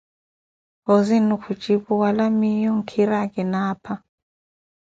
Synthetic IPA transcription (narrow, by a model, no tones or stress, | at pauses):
kozinukʰu̥t͡ʃʼipuwalamijɔŋ̩kʰiɾakɛnaːpʰa